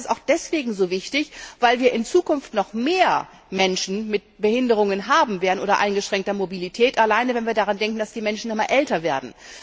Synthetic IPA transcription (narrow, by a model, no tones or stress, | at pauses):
staʊxd̥ɛsv̥eːɡŋ̩zoːvɪçtɪçv̥aɪlviːɐʔɪnt͡suːkʊnftnɔχmeːɐ | mɛnʃn̩mɪt̚b̥əhɪndəʁ̞ʊŋənɦaːbm̩veːɐdən̩o̰ːdɐʔaɪnɡəʃʁ̥ɛŋktɐmobilitʰɛːtʔalaɪnəvɛnviːɐdaʁandɛŋkŋ̩d̥asd̥iːmɛnʃn̩nɔmaːlʔɛltɐveːɐdn̩